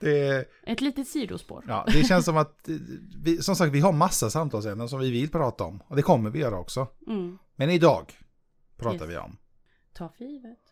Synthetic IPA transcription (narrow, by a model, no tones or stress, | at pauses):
d̪̥ɛ | ʔɛt̪liːt̪ət̪siːd̪ʊ̰spo̰ːɾjɑ̰ːd̪ɛɕɛnsːɔmat̪vɪsɔmsakt̪vɪɦaɾmasːasamt̪ʰɑːlsɛnd̪əns̬ɔmvɪvɪlːpʰɾɑːt̪aɔ̰mɔd̪ɛkʰɔmːəɾvɪjœːɾaɔ̰ksɔmɛnɪd̪ɑ̰ːɡ | pʰɾɑːt̪a̰ɾvɪ̰ɔ̰m | t̪ʰɑːfiːvət̪